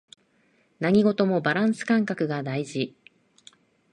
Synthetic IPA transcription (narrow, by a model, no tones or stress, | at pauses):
naŋ̟ʲiɡo̞t̪o̞mo̞baɾãɰ̃sɨ̥kãŋkakɯ̟ɡad̪aiʑi